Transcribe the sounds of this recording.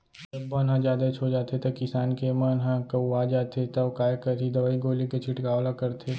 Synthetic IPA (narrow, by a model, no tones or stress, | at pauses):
d͡ʒɐbːɐnɦãd͡ʒjaːd̪at͡ʃʰod͡ʒaːt̪et̪ɐkɪsaːnkemənɦãkɐaːd͡ʒaːt̪et̪ɐkaːjkɐɾid̪ɐbaːiɡoːliket͡ʃʰɪʈkaːʋlakɐɾt̪ʰe